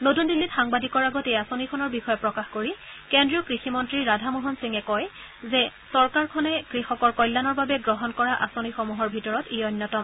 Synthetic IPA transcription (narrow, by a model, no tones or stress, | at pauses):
notundilːitxaŋbadikɔɹaɡɔteasonikʰɔnɔɹbixɔjɔpɹɔkaxkoɹikendɹiɔkɹiximɔntɹiɹadʱamoɦɔnsiŋɛkɔj | zɛsɔɹkaɹkʰɔnɛkɹixɔkɔɹkɔjlːanɔɹbabɛɡɹɔɦɔnkɔɹaʔa̰sonixomuɦɔɹbʱitɔɹɔtejɔnːɔtɔm